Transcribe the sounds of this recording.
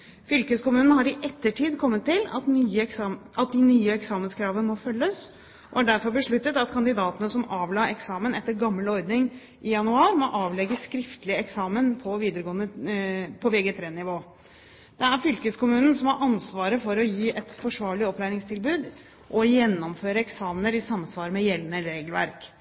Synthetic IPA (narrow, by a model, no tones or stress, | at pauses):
fʏlkəskʊmʉːnn̩ɦɑɾɪʔɛt̪ːəʈʰiːd̪kʰɔmːət̪ʰːɪlɑ̰t̪nyːəɑt̪̚d̪ɪnyːəɛksɑːmənskʰɾɑːʋənəmɔfœlːəs | ʔɔ̰æɖæɾfɔɾbəʂɭʉt̪ːət̪ɑt̪kʰɑnd̪ɪd̪ɑːt̪ənəsɔmɑːʋlɑːɛksɑːmənɛt̪ːəɾɡɑmːəlɔɾd̪nɪŋ | ʔɪjɑnʉɑːɾmɔʔɑːʋlɛɡəskɾɪft̪əlɪɛksɑːmənpʰɔʋiːd̪əɾəɡoːənəpʰɔʋɛɡət̪ʰɾeːnɪʋoː | d̪̥ɛæɾfʏlkəskʊmʉːnn̩sɔmhɑɾʔɑnsʋɑːɾəfɔɾɔjiːʔɛt̪fɔʂʋɑːɭɪɔpːlæɪɾɪŋst̪ʰɪlbʉːd̪ | ʔɔjɛnːɔmføːɾəɛksɑːmənəɾɪsɑmsʋɑːɾəmɛjɛlːənəlɾeːɡəlʋæ̰ɾk